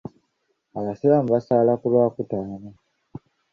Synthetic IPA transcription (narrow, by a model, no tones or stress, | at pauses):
aβasiβamuβasaːlakulwaːkutaːne